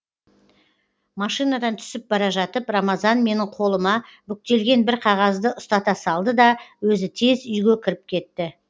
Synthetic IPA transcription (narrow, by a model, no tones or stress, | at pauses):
mɑʃijnɑd̪ɑnt̪ʰʏ̥sɪp̚bɑɾɑʒɑt̪əpromɑzɑnme̞nɪɴqʰo̞lˠəmɑbʏk̚ʲt̪e̞lɡʲe̞nbɪɾqʰɑʁɑzd̪əʊst̪ɑt̪ɑsɑlˠd̪əd̪ɑwɵzɪt̪ʰe̞zʏjɡʲe̞kʲʰɪɾɪp̚kʲʰe̞t̪ːɪ